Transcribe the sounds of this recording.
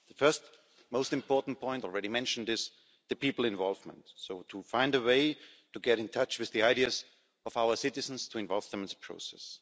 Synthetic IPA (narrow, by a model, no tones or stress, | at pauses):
ðəfɜ˞st | moʊstɨ̃mpʰɔɹtn̩pʰɔ̃ɪ̃ntɔl̩ˠɹɛɾimɛ̃nʃn̩dɪz | ðɨpipl̩ˠɪ̃ɱvɔlˠvmə̰̃ntsoʊtʰufãɪ̃ndəweɪtuɡɛɾɨ̃ntʰʌt͡ʃwɨððiaɪɾiɨz | ʌvaʊə˞sɪɾɨzn̩stʰuɪ̃ɱvɔlˠvðə̃mɪ̃nðəpʰɹ̥o̰ʊsɛ̰s